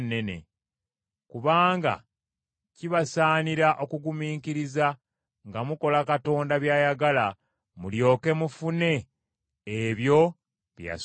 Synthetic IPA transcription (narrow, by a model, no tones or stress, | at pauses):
nːe̞ne̞̰ | kuβaːŋɡa̰ | ciβasaːniɾaʔo̞kuɡumiːŋkiɾiza | ŋɡamuko̞lakato̞ːndaβjaːjaɡala | muljo̞ːke̞mufune̞ː | βjo̞ | βja̰